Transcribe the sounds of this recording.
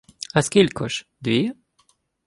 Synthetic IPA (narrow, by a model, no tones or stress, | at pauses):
askilkʰɔʃd̪ɥi